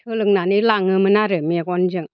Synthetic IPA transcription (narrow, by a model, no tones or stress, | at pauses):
tʰɯlɯŋ̚nanilaŋɯmɯnaɾɯmɛkɔnd͡ʒɯŋ